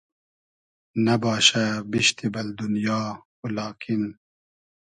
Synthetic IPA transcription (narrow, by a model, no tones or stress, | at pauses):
nɐbɑːʃabiʃt̪ibɐld̪unjɑː | ulɑːkʰin